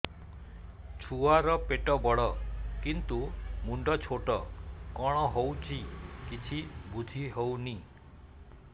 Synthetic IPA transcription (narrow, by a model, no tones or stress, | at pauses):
t͡ʃʰuaɾɔpeʈɔbɔɭɔkint̪umuɳɖɔt͡ʃʰoʈɔkɔɽ̃ɔɦowt͡ʃʰikit͡ʃʰibud͡ʒʱiɦowni